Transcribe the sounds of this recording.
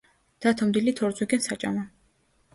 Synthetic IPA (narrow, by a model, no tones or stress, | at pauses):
d̪̥at̪ʰɔmd̪ilit̪ʰɔɾd̪zwiɡɛnsat͡ʃʼa̰mɔ